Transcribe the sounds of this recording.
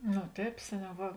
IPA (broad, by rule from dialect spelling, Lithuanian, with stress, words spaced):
noː ˈtʲɛːp ˈsʲæːˌnʲɛʊ ˈʋɐ